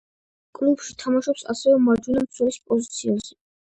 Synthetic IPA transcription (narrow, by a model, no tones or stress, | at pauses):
kʼlubʃit̪ʰamaʃɔpsa̰sɛvɛmaɾd͡ʒunamt̪sʰwɛlispʼɔzit̪sʰiaz̥ɛ